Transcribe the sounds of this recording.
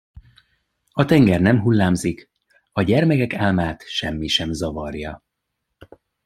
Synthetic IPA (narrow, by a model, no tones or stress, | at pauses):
ɒt̪ɛŋɡɛrnɛmɦulːaːmzik | ɒɟɛrmɛkɛkaːlmaːt̪ʃɛmːiʃɛmzɒvɒrjɒ